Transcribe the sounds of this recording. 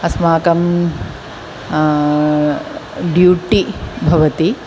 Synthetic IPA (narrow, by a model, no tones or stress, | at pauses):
ɐsmaːkɐm | ɖjuːʈibʱɐʋɐt̪i